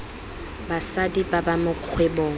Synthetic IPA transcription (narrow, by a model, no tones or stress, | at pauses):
basadibabamʊq͡χʰwɛboːŋ̩